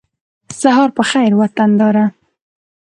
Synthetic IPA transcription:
saɦɑɾpəxajɾwat̪and̪ɑɾa

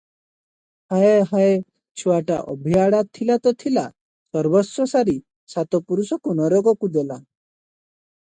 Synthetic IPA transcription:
haeɦae | t͡ʃʰuaʈa̰ʔɔ̰bʱiaɽat̪ʰːilat̪ɔt̪ʰila | sɔɾbɔsɔsaɾi | sat̪ɔpuɾusɔkunɔɾɔɡɔkud̪ela

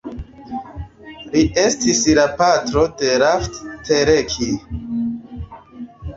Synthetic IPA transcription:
lie̞stislapatɾo̞de̞ɾafttʰeɾekʰi

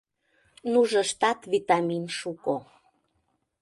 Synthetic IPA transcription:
nuʒə̆ʃt̪ɑt̪βit̪ɑminʃuko

